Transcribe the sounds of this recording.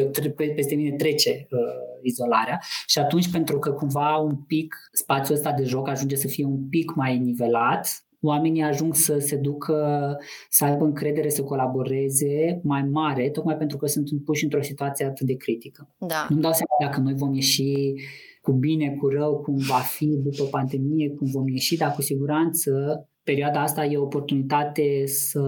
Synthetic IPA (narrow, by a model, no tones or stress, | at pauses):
t̪pepest̪e̞mine̞t̪ɾe̞t͡ʃe̞əizo̞la̰ɾeaʃiat̪unt͡ʃʲpe̞nt̪ɾukəkumvaumpikspat̪sʲjuəst̪ad̪e̞ʒo̞kaʒund͡ʒe̞səfije̞umpikmajnive̞lat̪ | oame̞nijaʒuŋɡsəse̞d̪ukʰə | səajbəɨŋkɾe̞d̪e̞ɾe̞səko̞labo̞ɾe̞ze̞majmaɾe̞t̪o̞kmajpe̞nt̪ɾukəsɨnt̪ɨnpuʃɨnt̪ɾo̞sit̪uat̪sijeat̪ɨt̪̚d̪e̞kɾit̪ikəanumd̪awsʲamad̪akəno̞jvo̞mje̞ʃi | kubine̞kurəwkumvafid̪upəpand̪e̞mije̞kumvo̞mje̞ʃid̪akusiɡuɾant̪sə | pe̞ɾiuad̪aast̪aje̞opo̞rt̪unit̪at̪e̞sə